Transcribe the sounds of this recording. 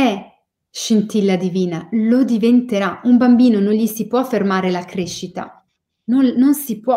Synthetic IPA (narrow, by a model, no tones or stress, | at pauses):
ɛ | ʃint̪ilːad̪iviːnalod̪ivent̪eɾaumbambiːnonõnʎisipwɔfːermaːɾelakɾeʃːit̪a̰ | nononsipwɔ